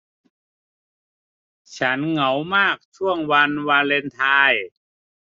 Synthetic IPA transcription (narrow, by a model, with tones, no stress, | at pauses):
t͡ɕʰa˦˥nŋa˩˦wmaː˥˩k̚t͡ɕʰu˥˩əŋwa˧nwa˧nle˧nt̪ʰaː˧j